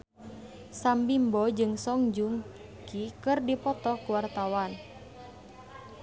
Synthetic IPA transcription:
sambimbɔd͡ʒɨŋsɔŋd͡ʒuŋ | kikɨrdipɔt̪ɔkuwart̪awan

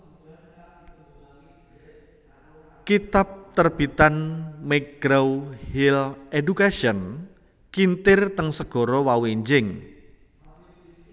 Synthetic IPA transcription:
kit̪ap̚t̪ərb̥it̪anmeɡ̥ɾawhiledukaʃən | kint̪ɪrt̪əŋsəɡ̥ɔ̤ɾɔwaweɲd͡ʒɪŋ

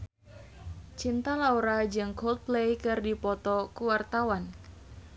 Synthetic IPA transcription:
t͡ʃint̪alauɾad͡ʒɨŋkɔlt̪̚plejkɨrdipɔt̪ɔkuwart̪awan

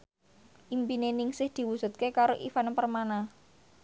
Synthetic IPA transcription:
ʔimpinenɪŋsɪhd̪̥i̤wusṳt̪̚kekaɾoʔifanpərmana

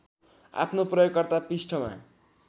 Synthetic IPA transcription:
a̰pʰnoprʌjoɡkʌrt̪apisʈʰʌma̰

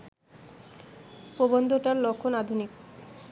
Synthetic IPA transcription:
pobond̪ʱoʈaɾlɔkʰːonad̪ʱunik

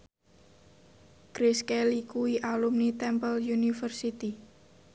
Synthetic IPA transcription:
kɾiskɛlikuiʔalumnit̪ɛmpəljunifərsit̪i

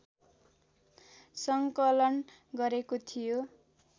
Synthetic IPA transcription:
sʌŋkʌlʌn | ɡʌɾekot̪ʰijo

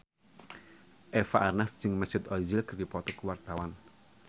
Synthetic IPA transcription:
ʔɛfaʔarnassɪŋməsɪt̪ɔzɪlɡərd̪ipɔt̪ɔkwart̪awan

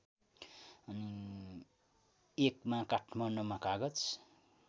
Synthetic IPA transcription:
ʌni | ekmakaʈʰmʌnʌmakaɡʌt͡s

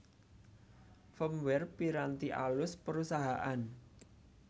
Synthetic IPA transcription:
fəmwɛrpiɾant̪iʔa̰lʊspəɾusaɦaʔan

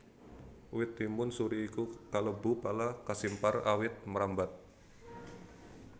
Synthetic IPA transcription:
wɪt̪ːimʊnsuɾiːkukaləbupalakasimpara̰wɪt̪̚məɾambat̪̚

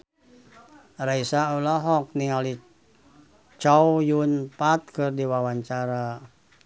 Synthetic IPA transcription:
raisaulɔɦɔk̚niŋali | t͡ʃawjunpat̪̚kɨrdiwawaɲt͡ʃaɾa

